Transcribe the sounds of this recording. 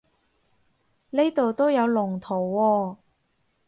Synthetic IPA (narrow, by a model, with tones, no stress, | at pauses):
ne˥jt̪o˨wt̪o˥wjɐ˨˧wlʊ˨˩ŋt̪ʰo˨˩wːɔː˧